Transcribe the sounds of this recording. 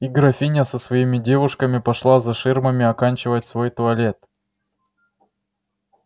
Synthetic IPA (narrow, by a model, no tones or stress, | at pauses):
iɡɾɐfʲinʲəsəsvɐimʲɪdʲevʊʂkəmʲɪpɐʂlˠazɐʂɨrməmʲɪɐkanʲt͡ɕɪvətʲsvo̞jt̪ʊɐlʲe̞t̪̚